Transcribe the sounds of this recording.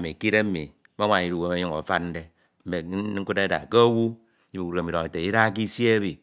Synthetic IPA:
a˨mi˨ki˦ɾe˦mḭ˨ | mo˦ŋʷa˨i˨˦ɾu˦˨we˨me˨˦ɲu˦ŋo̰˨fa˦nn̩˦de˦ | m̩˦me˨˦ku˦te˦da̰˨ke˦o˦wu˦ | i˦i˨u˨ɾe˨mi˨ɾo˨ŋe˨te˨i˦ɾa˦ki˦se˦βi˨

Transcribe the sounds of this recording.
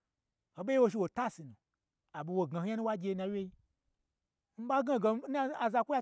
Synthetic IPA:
ho˨ɓe˦i˦wo˧ʃ̬i˧wo˨ta˦si˨nu˨ | a˨bo˧˨wo˨ɡa˨ha˦nu˦wa˦ɡʲe˧nã˧wʲe˦i˦ | m̩˦ɓa˦ɡa˦ɡe˧˨n˦a˨za˧kʷu˦ja˦

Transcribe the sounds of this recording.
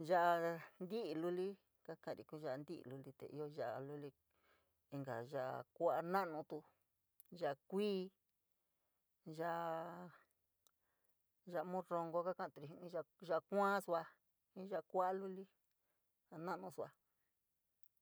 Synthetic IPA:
ʒa˧ʔa˧nd̪i˦i˧lu˧li˦ | ka˦kã˦˧˨ɾḭ˨ku˦ʒa˧nd̪i˦ʔlu˧li˧t̪ḛ˨ʔḭ˦jo˧ʒa˧˨ʔa̰˧˨lu˦li˧ | i˧ŋɡa̰˨ʒa˧ʔkʷa˦a˧nã˦nũ˧t̪u˧ | ʒa˧ʔkʷiː˦ | ʒa˧ʔ | ʒa˧mũ˦ro˧ŋɡo˧ka˦kã˦˧˨t̪u˧ɾi˧ɦĩ˧nĩ˧˦ʒa˧ʒa˧kʷã˦su˧a˧ | ĩ˦ʒa˧kʷa˦a˦lu˦li˦ | a˧nã˦ʔnũ˧su˧a˧

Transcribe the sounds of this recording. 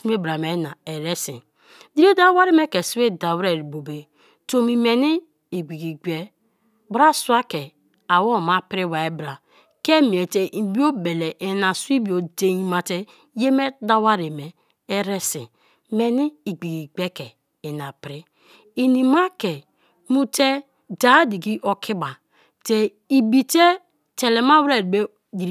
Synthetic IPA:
se˦bɾa˨me˨˦na˨e˨ɾe˦sḭ˨ | di˦o˦da˦wa˦ɾe˦me˦ke˨su˦we˦da˨wɾe˦˨ɾi˨bo˨be˨ | to˦mi˨me˨ni˦ | i˨ɡ͡bi˨ɡi˨ɡ͡be˦ | bɾa˦su˦a˦ke˨ | a˨wo˦˨ma˦pɾi˦wa˨e˦bɾa˨ | ke˦mi˨e˨te˨˦˨bi˦o˦be˨le˨ʔe˨na˨su˦i˦bi˨o˨de˦ji˦ma˨te˦ | je˦me˦da˦wa˦ɾe˨me˨ | e˦ɾe˦sḭ˨ | me˨ni˦i˨ɡ͡bi˨ɡi˨ɡ͡be˦ke˨ | e˨na˨pɾi˦ | i˨ni˨ma˦ke˨ | mu˦te˦ | da˨˦di˨ɡi˦ʔo˨kʰi˦ba˨ | te˨ | i˨bi˨te˦ | te˨le˨ma˦wɾe˦˨be˦ | di˨ɾ

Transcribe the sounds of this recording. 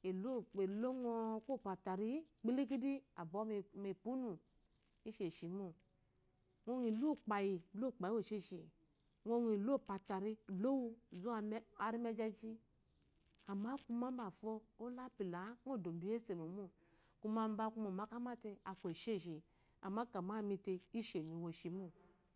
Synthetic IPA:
e˨lo˦˨k͡pe˨lo˦ŋo˦ko˦˨pa˨ta˨ɾi˦ | k͡pi˦li˦ki˦di˦a˨bo˨˦˨me˨pu˦nu˨ | i˦ʃe˨ʃi˨mu˦ | ŋʷo˦ŋi˨lo˦˨k͡pa˨ji˨lo˦˨k͡pa˨i˦o˦˨ʃe˦˨ʃi˨ | ŋo˦ni˨lo˦˨pa˨ta˨ɾi˦˨lo˦wu˦˨zu˦˨˦a˨ɾi˦me˦d͡ʒa˦d͡ʒi˦ | a˨ma˦ku˧ma˦m˦ba˨fo˦o˦la˦pi˨la˨˦ŋʷo˦˨do˨m˨bi˦e˦se˨mo˨mu˦ | ku˦ma˦m˦ba˦ku˦mo˨ma˦ka˦ma˦te˦a˨kʷo˨ʃe˦˨ʃi˨ | a̰˨ma˦ka˨ma˦˨mi˧te˧i˦ʃe˨ɲu˨wo˨ʃi˨mu˦

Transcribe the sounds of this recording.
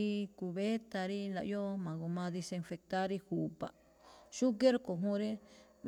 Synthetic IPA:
i˦ku˧βe˦t̪a˧ɾi˦la̰˨ʔjo˦mã˨ku˧mã˧ði˧se˧nfe˧k̚t̪a˦ɾi˧hu˨pa̰˨ | ʃu˦k̬e˦ɾko˨ɦũ˦ɾe˦

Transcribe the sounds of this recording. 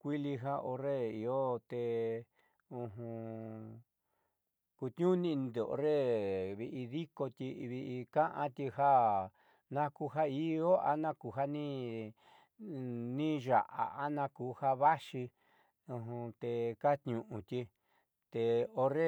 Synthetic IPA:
kʷi˦li˧ɦa˦ʔo˧re˦i˧o˦t̪e˧ | ũ˧ɦũ˧ | ku˧t̪ɲũ˦nĩ˧nd̪o˨ʔo̰˧ɾe˦˨βi˧ʔi˧ði˦ko˧t̪ʲi˧βi˧ʔi˧kã˦ʔã˦t̪ʲi˧ɦa˦ | nã˦ku˧ɦa˦i˦˧o˦a̰˧nã˦ku˧˨ɦa˦nĩ˦ | nĩ˦ʒa̰˨˧ʔa̰˨a˦nã˦ku˧˦ha˦βa˦ʃi˧ | ũ˧ɦũ˧t̪e˧ka˦t̪ɲũ˧ʔũ˨˧t̪ʲi˧ | t̪e˧o˧re˦

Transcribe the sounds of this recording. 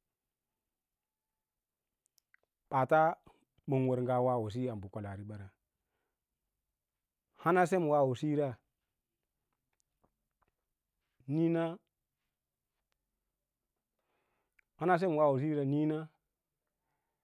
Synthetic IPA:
ɓa˨ta˦ | ɓo˨ŋwo˨ɾŋɡa˨wa˦˨wo˨s̬i˦a˨mbu˨ko˨la˨ɾi˦ɓa˨ɾa˨ | ha˦na˦se˦m˨wa˦wo˨si˦ɾa˦ | ni˦na˦ | ha˦na˦s̬e˦m˨wa˦wo˨s̬i˦ɾa˦˨ni˦na˦

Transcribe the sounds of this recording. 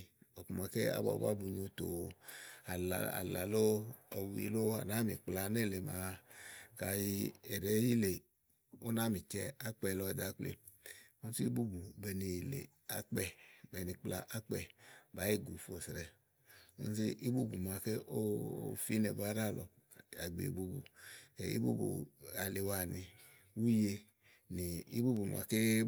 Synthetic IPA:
ɔ˨ku˨ma˨kɛ˦a̰˦ba̰˨˦ba̰˦bu˨ɲo˧to˨ | a˨la̰˨a̰˨la̰˨lo˦ɔ˨wḭ˨lo˦a̰˨na˨˦mi˨k͡pla˧nɛ˦˨le˨ma˨ka˧ji˧ɛ˨ɾɛ˨˦ji˦le˨ | o˦na˦mĩ˨t͡ʃɛ˧a˦k͡pɛ˧lɔ˧ɛ˨d̪a˨˦k͡plḛ˨ | o˦n˦si˦i˦bu˦bu˨bɛ˧ni˧˨lḛ˨ | a̰˦k͡pɛ˨bɛ˨ni˧k͡pla̰˧ʔa˦k͡pɛ˦˨ba˨˦ji˦˨ɡu˨fo˨sɾɛ˨ | o̰˦n˦si˦ʔi˦bu˦bu˨m˨a˨ke˦ʔo˦˨˦fi˦nɛ˨ba˦ɾa˦˨lɔ˨ | a̰˨ɡ͡bḛ˨ḭ˨bu˦bu˨ḛ˨ḭ˦bṵ˦bṵ˨a˨le˨wa˨ni˨ | wu˦je˧ | ni˨i˦bu˦bu˨m˨a̰˨ke˦

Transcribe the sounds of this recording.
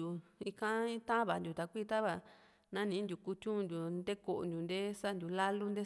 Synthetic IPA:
u˧i˧kã˦ĩ˦t̪ã˦βa˧˨˧nd̪ʲu˨˧t̪a˧kʷiː˦t̪a˦βa˨ | nã˦nĩː˨˦nd̪ʲu˧˨ku˧t͡ʃ̪ũ˦˧d̪u˨˧nd̪e˦ko˨ʔo̰˨nd̪ʲu˧nd̪e˦sa˦nd̪ʲu˨la˦lu˦nd̪e˦

